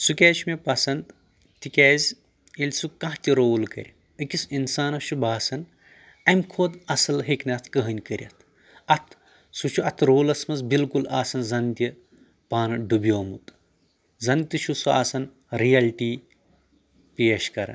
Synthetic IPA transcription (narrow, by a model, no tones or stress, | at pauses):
sukʲɛːʃmepɐsɐnd̪ | t̪ikʲɛːzʲ | ilʲsukɐ̃ɦt̪ʲiɾoːlkɐ̰ɾʲi | ɨkʲisinsaːnɐʃʰubaːsɐn | ɐmkʰoːd̪ɐsɐlɦeknʲɐt̪ʰkəɦɐnʲkɐɾʲɐ̰t̪ʰ | ɐt̪ʰ | sut͡ʃʰuɐt̪ʰɾoːlɐsmɐzbilkulaːsɐnzɐnt̪ʲi | paːnɐɖubijoːmut̪ | zɐnt̪ɨt͡ʃʰusuaːsɐn | ɾijɐlʈiː | peːɐʃkɐɾɐ̰n